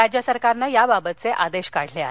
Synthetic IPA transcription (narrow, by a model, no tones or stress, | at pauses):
ad͡ʑjəsəɾkaɾnajababət̪̚t͡seʔad̪eɕkaɽ̤lea̰